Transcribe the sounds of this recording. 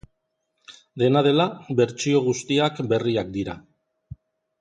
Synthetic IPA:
d̪e̞nað̞e̞laβe̞ɾt͡ʃio̞ɣ̞ust̪iakbe̞riak̚d̪iɾa

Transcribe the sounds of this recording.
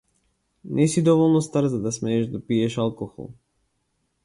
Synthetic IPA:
nʔɛsid̪ɔvɔlˠnɔst̪aɾzad̪asmɛːʒd̪apijɛʃalˠkɔxɔ̰lˠ

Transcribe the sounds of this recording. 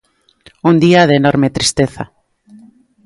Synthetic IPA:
und̪iaðenoɾmet̪ɾist̪eθa̰

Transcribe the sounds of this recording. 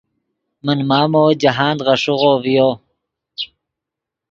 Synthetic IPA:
mənmaːmoːd͡ʑaɦaːnd̪ʁɑʂuʁoːvijoː

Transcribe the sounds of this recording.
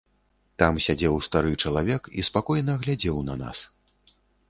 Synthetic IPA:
t̪amsʲad͡zʲɛwst̪aɾɨt͡ʂɐlˠavʲɛkḭspakɔjnɐɣlʲad͡zʲɛwnɐna̰s

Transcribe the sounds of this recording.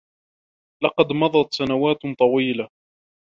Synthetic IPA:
lɑqɑd̪mɑðˤɑt̪sanawaːt̪t̪ˤɑwiːla

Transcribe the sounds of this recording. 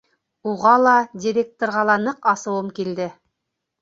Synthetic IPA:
uʁɑlˠɑdʲiɾʲek̚t̪orɾʁɑlˠɑnɤqɑsɤ̆wɤmkild̪ɘ

